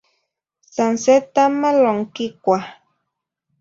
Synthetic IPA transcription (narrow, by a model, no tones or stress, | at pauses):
sanset̪amaloŋkikʷa